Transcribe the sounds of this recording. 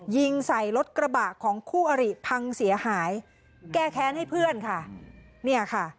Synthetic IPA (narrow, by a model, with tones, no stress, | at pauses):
ji˧ŋsa˨˩jlo˦˥t̪̚kɾa˧baː˨˩kʰːɔː˩˦ŋkʰuː˥˩ʔa˧ɾi˨˩pʰa˧ŋsi˩˦ɐhaː˩˦j | kɛː˥˩kʰɛː˦˥nha˥˩jpʰɯ˥˩ənkʰa˥˩ | ni˥˩ɐkʰa˥˩